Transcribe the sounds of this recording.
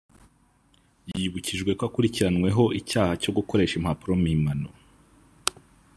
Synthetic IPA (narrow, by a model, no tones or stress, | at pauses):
jiβuciʒɡwe̞koakuɾiciɾanwe̞ɦo̞icaːhaco̞ɡuko̞ɾe̞ːʃimhapuɾo̞mimano